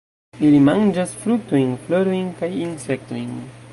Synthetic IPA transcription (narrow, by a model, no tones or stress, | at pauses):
ilimand͡ʒasfɾuk̚to̞jnflo̞ɾo̞jnkajinse̞k̚to̞jn